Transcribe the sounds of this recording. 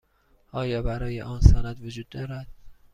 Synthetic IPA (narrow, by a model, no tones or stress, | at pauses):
ɒːjɒːbæɾɒːjeʔɒːnsænæd̪vod͡ʒuːd̪̚ːɒːɾæd̪̥